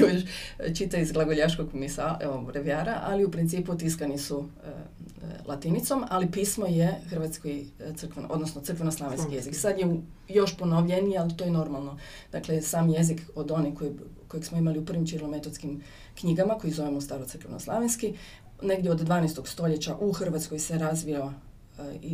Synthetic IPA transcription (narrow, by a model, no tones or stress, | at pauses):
oʃt͡ʃit̪aizɡlˠaɡoʎaʃkoɡkmisaeobɾeʋjaːɾaʔaliupɾint̪iːput̪iskanisu | lˠʔat̪init̪somalipismojexrʋat̪skojt̪ɨr̩kʋenʔo̞d̪nosnot̪sɾ̩kʋe̞noslˠaʋenskkije̞ziksad̪jeujo̞ʃponoʋʎenijealit̪ojeno̞ɾmalˠno̞ | d̥̪aklesaːmje̞zikod̪o̞nikojko̞jeɡsmoimaliupr̩ʋimt͡ʃiɾlˠomet̪ot̪skim | kɲiɡamako̞jizo̞ʋemust̪aːɾosɨr̩kʋeno̰slˠaʋinski | ne̞ɡdjeod̪d̪ʋaːnɛst̪oɡst̪o̞ʎe̞t͡ɕaʔuxrʋat̪skojse̞ɾazʋija | i